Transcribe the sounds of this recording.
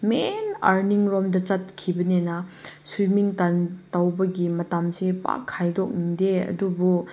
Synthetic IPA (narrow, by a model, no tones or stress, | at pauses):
mena̰ɾniŋɾɔmdɐt͡ʃɐt̚kʰibɐnenɐsumiŋtantawbɐɡimɐtamsepa̰kʰːajdɔk̚niŋdeɐ̰dubu